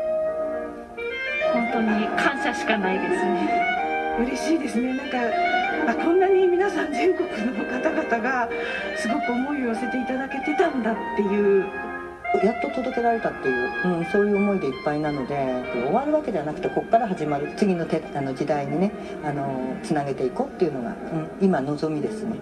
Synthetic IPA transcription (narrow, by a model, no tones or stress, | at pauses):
hõnt̪o̞ɲ̟ikʰãɰ̃ɕaɕi̥kanaid̪e̞sɨneɯ̟ɾe̞ɕiːd̪e̞sɨne̞nãŋkaakõ̞nːaɲ̟imʲinasãɲ̟d͡ʑɨŋɡo̞kɯ̟nokat̪aɡat̪aɡa | sɨɡo̞kɯ̟o̞mo̞iose̞t̪e̞it̪ad̪ake̞t̪e̞t̪ãnd̪at̪ːe̞jɯ̟ː | jat̪ːo̞t̪od̪o̞ke̞ɾaɾe̞t̪at̪ːe̞jɯ̟ːɯ̟̃ɴso̞ːjɯ̟ːomo̞id̪e̞ipːainano̞d̪e̞jap̪ːaɾʲio̞βaɾɯ̟βake̞d̪eβanakɯ̟̥t̪e̞ko̞kːaɾaɦaʑimaɾɯ̟t͡sɨɡʲino̞t̪eano̞d͡ʑid̪aiɲ̟ine̞ | ano̞t͡sɨnaɡe̞t̪e̞iko̞ːt̪ːe̞jɯ̟no̞ɡa̰ɯ̟̃ɴimano̞zo̞mʲid̪e̞sɨne